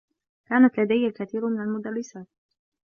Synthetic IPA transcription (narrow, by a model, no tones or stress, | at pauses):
kaːnat̪lad̪ajhalkaθiːɾmɪnalmʊd̪arːɪsaːt̪̚